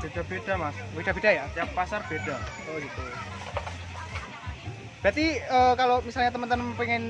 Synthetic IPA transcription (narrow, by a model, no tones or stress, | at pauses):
b̥ed̥abedamasbed̥a̤bedajat̪iapːasarb̥ed̥aoɡit̪u | b̥ɾat̪iəːkalomisalɲat̪əmənt̪əmənpeŋɪn